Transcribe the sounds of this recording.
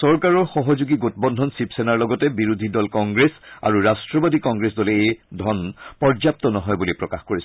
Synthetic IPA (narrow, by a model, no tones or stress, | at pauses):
sɔɹkaɹɔɹxɔɦɔzuɡiɡotbɔndʱɔnsipsenaɹlɔɡɔtɛbiɹud̪ʱidɔlkɔŋɡɹesa̰ɹuɹastɹɔbadikɔŋɡɹesdɔleedʱɔnpɔɹzap̚tɔnɔɦɔjbulipɹɔkaxkoɹis